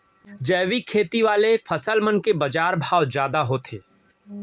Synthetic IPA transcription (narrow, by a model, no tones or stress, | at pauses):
d͡ʒɐːʋikʰeːt̪iʋaːlepʰɐsəlmɐnkebɐd͡ʒaːɾbʱaːwd͡ʒjaːd̪aɦot̪ʰḛː